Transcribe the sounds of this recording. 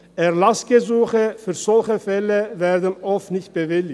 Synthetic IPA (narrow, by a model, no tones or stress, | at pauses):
ʔɛʁlasɡ̥əzuːxəfyːɐz̥ɔlçəfɛləvɛːɐd̪ən̩ʔɔftnɪçt̚b̥əvɪlɪ